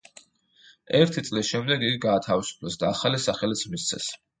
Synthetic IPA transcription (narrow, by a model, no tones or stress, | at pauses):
ɛɾt̪ʰit̪sʼlisʃɛmd̪ɛɡiɡiɡaːt̪ʰavisu̥pʰlɛsd̪aːχalisaχɛlit̪sʰmist̪sʰɛ̰s